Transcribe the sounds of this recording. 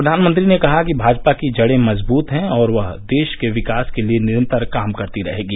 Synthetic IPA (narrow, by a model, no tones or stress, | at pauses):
pɾɐd̪ʱaːnmə̃nt̪ɾinekɐɦakibʱaːd͡ʒpakid͡ʒɐɽẽmɐzbuːt̪ɦɛ̃ɔːɾʋɐɦd̪eːʃkeʋɪkaːskelienɪɾə̃nt̪əɾkaːmkɐɾt̪iɾɐɦeːɡiː